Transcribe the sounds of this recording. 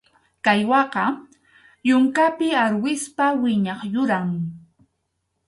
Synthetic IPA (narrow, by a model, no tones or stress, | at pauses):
kajwɑqɑ | jʊŋkapɪaɾwɪspawɪɲɑχjʊɾaŋ